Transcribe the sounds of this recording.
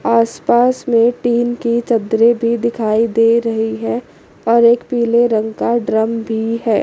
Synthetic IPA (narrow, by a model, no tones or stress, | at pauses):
aːspaːsmẽʈiːnkit͡ʃɐd̪ɾebʱid̪ɪkʰaːid̪eːɾɐɦiɦɛ | ɔːɾeːkpiːleɾə̃ŋɡkaɖɾəmbʱiɦɛː